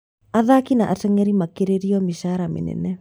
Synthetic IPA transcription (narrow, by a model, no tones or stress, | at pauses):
aðakinaʔatɛŋɛɾimakeɾeɾiɔmiʃaɾamḛnɛ̰nɛ